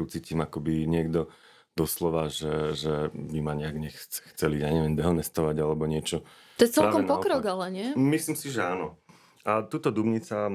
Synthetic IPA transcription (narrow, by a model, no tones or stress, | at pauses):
ut͡siːcimakɔbiɲɪɛɡd̪ɔ | d̪̥ɔslɔʋaʒɛʒɛmimaɲɛaɡɲɛxt͡sɛ̥xt͡sɛlijaɲɛʋjɛmd̪ɛɦɔnɛst̪ɔʋaɟalɛbɔɲɪɛt͡ʃɔ | t̪ɔjɛt͡sɛlkɔmnpɔkɾɔɡalɛɲɪɛmislimsiʒɛaːnɔ | at̪uːt̪ɔd̪ubɲit͡sa